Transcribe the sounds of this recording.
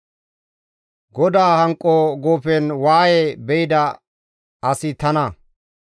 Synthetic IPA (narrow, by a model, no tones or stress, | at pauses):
ɡɔd̪aːhɐŋkʼːoɡoːfɛnwaːjebɛjɪd̪ɐ | ɐsɪt̪ɐnɐ